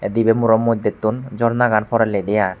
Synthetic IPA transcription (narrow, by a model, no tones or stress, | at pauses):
d̪ibemuɾɔmːod̪ʱːet̪ːund͡ʑɔɾnaɡanfɔɾaled̪eja